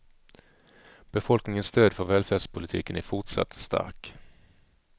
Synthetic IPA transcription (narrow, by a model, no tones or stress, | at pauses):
b̥ɛfɔlknɪŋənst̪øːd̪fœɾvɛːlfɛːspʰʊlɪt̪ʰḭːkənæɾfʊʈʂa̰t̪ːst̪ʰa̰ɾk